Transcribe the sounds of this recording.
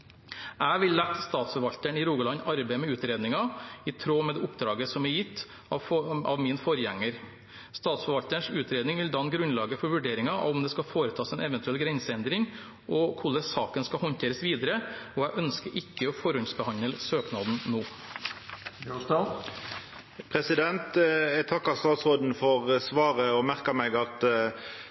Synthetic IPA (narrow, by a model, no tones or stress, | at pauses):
æːʋɪlːæt̪st̪ɑːt̪sfɔɾʋɑlt̪əɳɪɾuːɡəlɑnɑɾbæɪmɛʉːt̪ɾeːd̪nɪŋɑɪt̪ʰɾoːmɛd̪ɛʊpd̪ɾɑːɡəsɔmɛɾjɪt̪ː | ɑɑ̰ʋmiːnfɔɾjæŋːəɾ | st̪ɑːt̪sfɔɾʋɑlt̪əɳʂʉːt̪ʰɾeːd̪nɪŋʋɪld̪ɑnːɡɾʉnlɑːɡəfɔɾʋʉɖeːɾɪŋɑɑ̰ɔmd̪ɛskɑfoːɾət̪ʰɑːsɛnɛʋənt̪ʉɛlɡɾɛnsəɛnd̪ɾɪŋ | ʔɔkʰʊləsɑːkənskɑhɔnt̪ʰeːɾəsʋiːd̪əɾəɔæɪʔœnskəɾɪkːəɔfɔɾɔnsbəhɑnəlsøːknɑːd̪n̩noː | pʰʁɛsɪd̪ɛnt̪ɛt̪ʰɑkːɑst̪ɑːt̪sʁɔd̪n̩fɔʁsʋɑːʁəɔmæʁkɑmɛɡɑt̪